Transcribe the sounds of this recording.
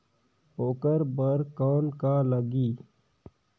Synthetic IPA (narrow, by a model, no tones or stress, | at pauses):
oːkəɾbəɾkaːnkaːləɡiː